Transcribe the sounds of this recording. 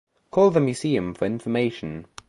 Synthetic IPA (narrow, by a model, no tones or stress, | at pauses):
kʰɔːlˠðəmjʉziːə̃ɱfəɹɪ̃ɱfəmeɪʃə̃n